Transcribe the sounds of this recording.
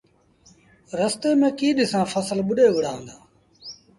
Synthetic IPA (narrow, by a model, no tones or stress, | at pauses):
ɾəst̪eːmẽːkiːɗɪsãːfʰəsəlɓʊɗeːʋɪɽaːʋə̃nd̪aː